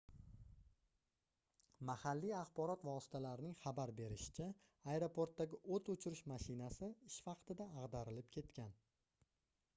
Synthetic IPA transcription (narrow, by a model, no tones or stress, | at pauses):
mahalːijɑχbɒɾɒt̪vaɒsɪ̥t̪ʰalaɾɪnɪŋχabaɾbe̞ɾɪʃɪ̥t͡ʃʰa | aeɾopʰoɾt̪ːaɡʲɪʔot̪ʊt͡ʃʰʊɾɪʃmaʃɪnasɪɪʃvɑqt̪ʰɪd̪aːʁd̪aɾɪlɪpkʲʰe̞t̪kʲʰan